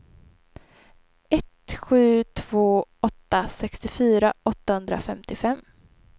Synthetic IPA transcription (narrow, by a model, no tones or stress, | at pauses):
ɛt̪ɧʉ̟ːt̪ʰv̥oːɔt̪ːasɛkst̪ɪfyːɾaʔɔt̪ːahɵnd̪ɾa̰fɛmt̪ɪfɛmː